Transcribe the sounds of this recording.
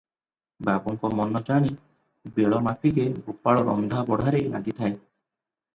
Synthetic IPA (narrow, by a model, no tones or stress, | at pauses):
babɔŋkɔmɔnɔd͡ʒaɽ̃i | beɭɔmapʰiɾebupaɭɔɾɔ̰md̪ʱabɔɽ̤ʱaɾejla̰ɡit̪ʰae